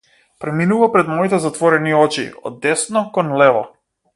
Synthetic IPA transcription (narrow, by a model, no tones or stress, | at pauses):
pɾɛminuvapɾɛd̪mɔit̪ɛzat̪vɔɾɛniɔt͡ʃḭɔ̰d̪ːɛsnɔkɔnlɛvɔ̰